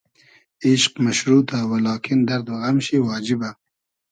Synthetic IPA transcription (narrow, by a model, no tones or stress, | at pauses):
ɪʃqmaʃɾut̪awalɑːkɪnd̪aɾd̪waɣamʃiwɑːd͡ʒɪba